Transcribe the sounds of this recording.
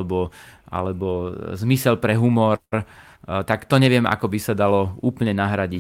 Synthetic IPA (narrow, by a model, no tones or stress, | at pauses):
bɔa̰lɛbɔzmisɛlpɾɛɦumɔɾ | t̪akt̪ɔɲɛʋɪɛmʔa̰kɔbisad̪alɔuːpl̩ɲɛnaɦɾaɟi